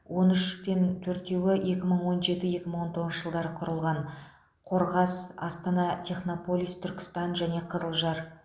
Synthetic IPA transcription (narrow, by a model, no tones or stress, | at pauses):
wo̞nʏʃpe̞nt̪ʰɵɾt̪e̞wɪje̞kʲɪməɴwo̞nʒe̞t̪ɪje̞kʲɪməɴwo̞nt̪ʰo̞ʁənəʒəlˠd̪ɑɾəqʰʊɾəlˠʁɑn | qʰo̞ɾʁɑsɑst̪ɑnɑt̪ʲʰe̞χno̞po̞lʲˠijst̪ʰʏɾkʲɪ̥st̪ɑnʒæne̞qʰəzəlˠʒɑɾ